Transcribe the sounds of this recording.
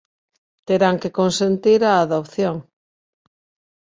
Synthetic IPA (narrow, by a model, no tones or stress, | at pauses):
t̪eɾaŋkekonsent̪iɾaːðopθjoŋ